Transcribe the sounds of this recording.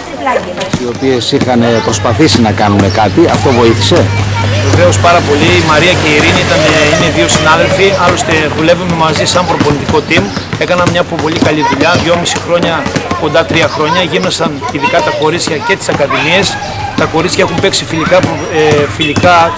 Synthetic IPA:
sio̞pie̞sixɐnpɾo̞spɐθisinɐkɐnune̞kɐt̪iɐft̪o̞vo̞iθi̥se̞veve̞o̞spɐɾɐpo̞liːmɐɾiɐce̞iɾiniit̪ɐneine̞ðio̞sinɐðe̞lfiɐlo̞st̪e̞ðule̞vume̞mɐzisɐmpɾo̞po̞nit̪iko̞t̪ime̞kɐnɐmɲɐpopo̞ʎikɐʎiðuʎɐðʝo̞misixɾo̞ɲɐko̞nd̪ɐt̪ɾiɐxɾo̞ɲɐʝino̞sɐn | iðikɐt̪ɐko̞ɾit͡sçɐcet̪i̥sɐkɐðimie̞s | t̪ɐko̞ɾit͡ssçɐexumpe̞ksifilikɐp | filikɐ

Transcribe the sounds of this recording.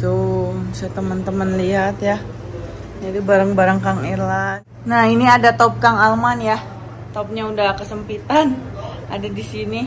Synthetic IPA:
t̪usaat̪əmənt̪əmənliɦat̪ja | d͡ʒadibaɾaŋbaɾaŋkaŋirlan | nahiniadat̪ɔp̚kaŋalmanja | t̪ɔp̚ɲaudakəsəmpit̪ana̰dadisini

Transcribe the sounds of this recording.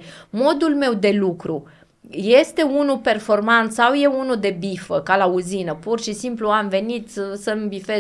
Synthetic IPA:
mo̞d̪ulme̞wd̪e̞lukɾu | je̞st̪e̞unupe̞rfo̞rmant̪sawje̞unud̪e̞bifəkalauzinəpurʃisimpluamve̞nit̪səmbife

